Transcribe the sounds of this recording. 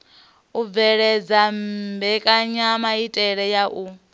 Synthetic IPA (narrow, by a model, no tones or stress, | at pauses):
uvɛɺɛd͡zambɛkʼaɲamaitʼɛɺɛjaʔu